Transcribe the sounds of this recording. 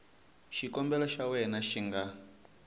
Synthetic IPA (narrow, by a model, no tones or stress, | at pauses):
ʃikɔmbɛlɔʃawɛnaʃiŋɡa